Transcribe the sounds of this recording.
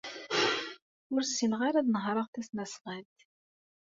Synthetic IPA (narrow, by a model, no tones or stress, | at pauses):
ʊɾsinʁaɾæðnəɦɾˤəʁθæsnæsʁælt̪